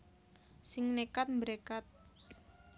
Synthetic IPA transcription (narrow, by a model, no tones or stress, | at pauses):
sɪŋnekat̪̚mbəɾekat̪̚